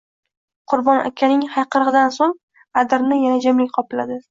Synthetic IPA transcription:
qʰʊɾbɒnʔa̰kʲʰːanɪŋhajqʰɨɾʁɨd̪ansoŋ | ad̪ɪɾnɪjanad͡ʒamlɪkʲqʰɒpɪlad̪ɪ

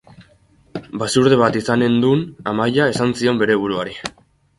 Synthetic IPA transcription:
basuɾðe̞βat̪isane̞nd̪unamajae̞sansio̞mbe̞ɾe̞β̞uɾuaɾi

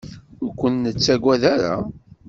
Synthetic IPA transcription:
ʊɾkʷənːət͡sːæɡʷæðaɾa̰

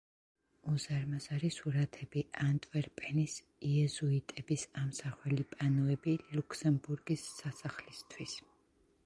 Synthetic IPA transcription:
uzaɾmazaɾisuɾat̪ʰɛbiʔant̪ʼvɛɾpʼɛnis | iɛzuit̪ʼɛbisamsaχwɛlipʼanɔɛbilukʰsɛmbuɾɡisːasaχlist̪ʰwis

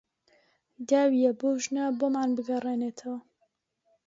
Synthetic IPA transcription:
d̪aːwijɛboʒnabomaːnbɨɡɐrˤeːneːt̪ʰɐwɐ

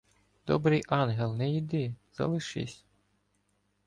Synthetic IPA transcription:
d̪̥ɔ̰bɾɪjʔɑnɦelˠnɛjid̪ɪz̥ɐ̰lˠɪʃɪ̰sʲ

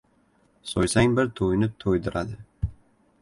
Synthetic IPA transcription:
sojsaŋbɪɾt̪ʰojnɪt̪ʰojd̪ɪɾad̪ɪ

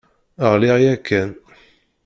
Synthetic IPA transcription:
əʁlɪʁjækːæn

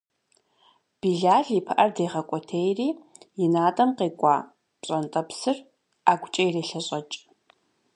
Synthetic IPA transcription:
b̥iɮaːɮipʰɐʔɐrdejʁɐkʷʼɔtʰejriːjɪnaːtʼɐmqeːkʷʼa̰ː | pɕʼɐntʼɐpsɨr | aːɡʷʊt͡ʃʼɐjreɬɐɕʼɐt͡ʃʼ

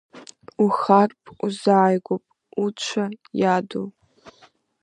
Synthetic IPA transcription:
uxarpʼuzaːjɡʷʊpʼ | ut͡ʃʷʰɐjaːdo̰w

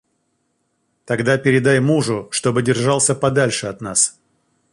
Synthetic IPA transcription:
t̪ɐɡd̪apʲɪɾʲɪd̪ajmuʐʊʂt̪o̞bɨdʲɪrʐɑlˠsʲəpɐd̪alʲʂɨɐt̪nas

